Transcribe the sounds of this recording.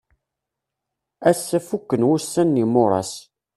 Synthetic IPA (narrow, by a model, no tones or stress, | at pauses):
æsːæfukːənwusːænːimʊɾˤɑ̰s